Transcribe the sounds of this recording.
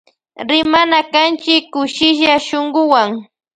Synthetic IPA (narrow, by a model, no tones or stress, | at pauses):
ɾɪmanakant͡ʃɪkːʊʃɪʃaʃoŋɢʊwaŋ